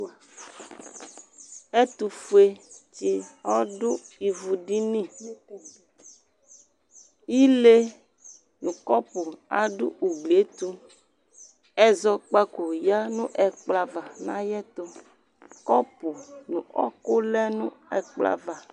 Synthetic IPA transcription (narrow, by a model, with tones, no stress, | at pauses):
ɛ˦t̪u˨fu˦e˦t͡ʃi˦ɔ˦ɖʊ˦i˨vu˨ɖi˦nĩ˦˨ | ji˦le˦ | nũ˨kɔ˦pʊ˨a̰˨ɖʊ̰˦ʔu˨ɡ͡ble˨˦t̪u˦ | ɛ˦zɔ˦k͡pa˦ko˨ja˦nũ˦ʔɛ˨k͡pla˨va˨nã˦jɛ˦t̪o˦ | kɔ˦po˨nṵ̃˨ʔɔ̰˦kʊ˦lɛ˦nũ˦ɛ˨k͡pla̰˨va˨